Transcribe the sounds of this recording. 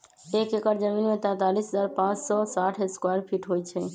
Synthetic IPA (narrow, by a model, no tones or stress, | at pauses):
ekekəɾd͡ʒəminmet̪ɛ̃t̪alisɦəd͡ʒaɾpãt͡ʃsɔsaʈʰeskwaɾpʰiʈɦojt͡ʃʰɛ